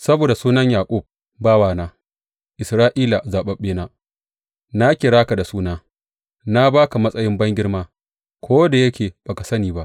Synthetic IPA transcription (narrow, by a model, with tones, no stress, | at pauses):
sɐ˦boː˨da˨suː˦nɐ˦ɲjaː˨kʷʼʊ˦˨b̚ | baː˦waː˦˨naː˦ | ʔɪ˨sɾaː˦ʔiː˦la˨zaː˨ɓɐ˦ɓeː˦naː˦ | na˦kʲɪ˨ɽaː˦ka˨da˨suː˦naː˦ | na˦baː˦ka˨mɐ˦sʼɐ˦jɪ˦mbɐ˦ŋɡʲɪ˦ɽmaː˦ | kʷʰoː˦da˨jɐ˦kʲeː˨b̥aː˨ka˨sɐ˦niː˨ba˦ʔ